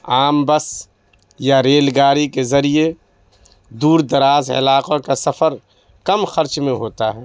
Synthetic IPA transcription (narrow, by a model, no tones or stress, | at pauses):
aːmbəs | jaɾeːlɡaːɾikezɐɾie | d̪uːɾd̪ɐɾaːzɦɐ̰laːqakasɐfʰəɾ | kɐmxɐɾt͡ʃmẽɦoːt̪aɦɛː